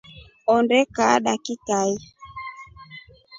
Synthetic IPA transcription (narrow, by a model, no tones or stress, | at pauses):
ɔndɛkaɗakikai